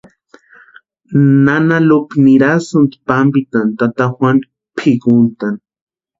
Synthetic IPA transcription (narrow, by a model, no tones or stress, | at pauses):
nanalopniɾasʊnt̪pambit̪ant̪at̪axwan | pʰikʊnt̪an